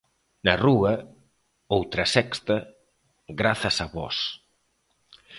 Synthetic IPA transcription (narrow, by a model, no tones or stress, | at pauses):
nɐruɐ | owt̪ɾɐsɛkst̪ɐ | ɣɾaθɐsaβɔ̰s